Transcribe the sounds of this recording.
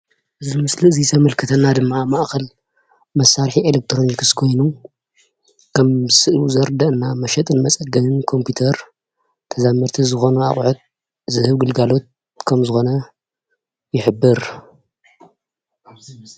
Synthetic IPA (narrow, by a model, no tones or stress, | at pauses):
ʔɨzimɨsliɨzit̪ʰɐmɐlkʰɨt̪ʰɐnːad̪ɨmːamaʔxɐl | mɐsːaɾħielek̚t̪ʰɾo̞nikɨskʰo̞jnu | kʰɐmzɨsɨʔuzɐɾd̪ɐʔɨnːamɐʃɐt̪ʼɨnmɐt͡sʼɐɡɐnɨnkʰo̞mpʰjut̪ʰɐɾ | t̪ʰɐzamːɨɾt̪ʰizɨxo̞nua̰χʼʕut̪̚ | zɨhɨβɡɨlɡalo̞t̪̚ | kʰɐmzɨxo̞nɐ | jɪħɨbːɨɾ